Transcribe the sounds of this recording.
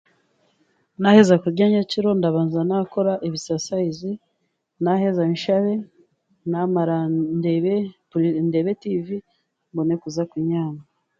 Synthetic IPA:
nahe̞zakuɾɟaːɲaciɾo̞ndaβaːnzanako̞ɾaʔeβisasaizi | nahe̞zanʃaβe | namaɾandeβe | ndeβetivi | mbone̞kuzakwiɲaːna

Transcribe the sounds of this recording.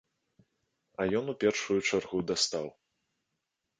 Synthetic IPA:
ɐjɔnupʲɛrʂujut͡ʂarɣud̪ast̪aw

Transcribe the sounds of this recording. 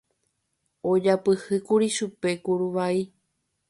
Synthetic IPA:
od͡ʒapɨhɨkuɾiʃupe̞kuɾuʋai

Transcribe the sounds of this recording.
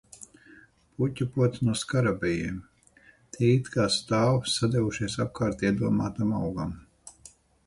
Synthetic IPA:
putʲupuɔt̪snuɔskaɾabijiːm | t̪ʰʲiit̪kaːst̪aːwsad̪ʲɛvuʃiɛsap̚kaːɾt̪iɛd̪uɔmaːt̪amawɡam

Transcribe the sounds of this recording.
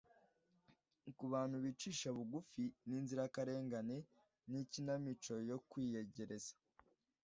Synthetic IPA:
kuβaːn̥huβiːt͡ʃiːʃaβuɡufiniːnziɾakaɾe̞ːŋɡane̞ | nicinamit͡ʃo̞jo̞kwiːje̞ɟe̞ɾe̞zḁ

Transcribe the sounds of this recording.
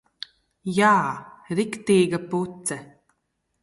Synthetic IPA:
jaːɾikt̪iːɡaput̪sɛ

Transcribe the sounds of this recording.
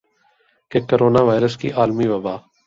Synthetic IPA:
kekoːɾoːnaːʋaːɪɾəskḭʔaːlmiːʋəbaː

